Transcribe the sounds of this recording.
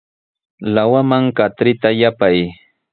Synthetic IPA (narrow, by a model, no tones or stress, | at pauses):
lawamaŋkat̪ɾɪt̪ajapaj